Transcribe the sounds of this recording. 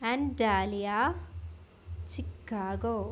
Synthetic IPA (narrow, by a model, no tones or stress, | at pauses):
ɛ̃ɳɖaːlijaː | t͡ʃikːaːɡo